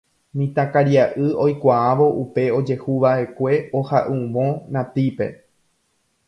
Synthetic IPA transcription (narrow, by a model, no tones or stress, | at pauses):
mĩt̪ãkaɾjaʔɨo̞jkʷaaʋo̞ʔupe̞o̞d͡ʒe̞huʋaʔe̞kʷe̞o̞haʔũʋõ̞nãt̪ipe̞̰